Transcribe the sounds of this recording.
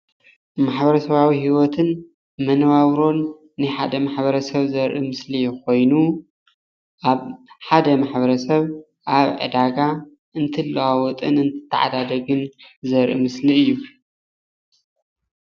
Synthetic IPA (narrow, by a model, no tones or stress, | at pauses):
maħbɐɾɐsɐβawihiwɔt̪ʰɨn | mɐnβawɾo̞nː | ɨħad̪ɐmaħbɐɾɐsɐβzɐɾʔimɨslikʰo̞jnu | ʔaβħad̪ɐmaħbɐɾɐsɐβ | ʔaβʕɨ̰d̪aɡa | ʔɨnt̪ʰɨlːawawɔt̪ʼɨ̰nɨnt̪ʰɨ̥t̪ʰːɐ̰ʕa̰d̪ad̪ɐɡɨnzɐɾʔḭmɨsliɨjːu